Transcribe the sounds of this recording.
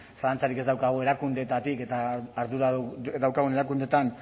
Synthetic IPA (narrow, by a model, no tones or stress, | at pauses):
salant͡saɾike̞zd̪awkaɣ̞ue̞ɾakund̪e̞t̪at̪ike̞t̪aːɾðuɾad̪awkaɣ̞uneɾakund̪e̞t̪an